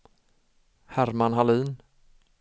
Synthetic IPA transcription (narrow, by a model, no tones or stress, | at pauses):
hæɾmanɦaliːn